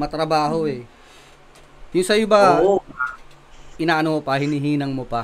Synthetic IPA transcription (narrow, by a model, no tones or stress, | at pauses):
mɐt̪ɾɐbaːɦo̞ʔɛ | jʊŋsɐjɪbaoo | ʔɪnaːʔɐnomopɐhɪniɦiːnɐŋmopɐ